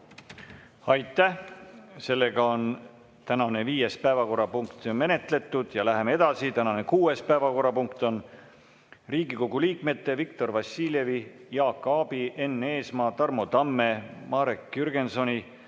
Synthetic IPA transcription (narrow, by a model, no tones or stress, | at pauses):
ɑjt̪ːˑæ | se̞lːe̞ɡ̥ɑo̞n | t̪ænɑne̞viːjespæevɑko̞rːɑpuŋkt̪me̞ne̞t̪le̞t̪ːˑud̪̥jɑlæɦe̞mee̞d̪̥ɑsit̪ænɑne̞kuːe̞spæevɑko̞rːɑpuŋkt̪o̞n | riːɡ̥iko̞ɡ̥uliːkme̞t̪ˑːe̞vikt̪o̞rvɑsːiːlʲje̞vijɑːkːˑɑːbiʔe̞nːe̞ːsmɑːt̪ɑrmo̞t̪ɑmːe̞mɑːɾekːyrɡ̥e̞nso̞nʲi